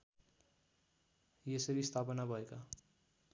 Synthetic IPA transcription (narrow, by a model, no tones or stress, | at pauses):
jesʌɾist̪ʰapʌnabʱʌeka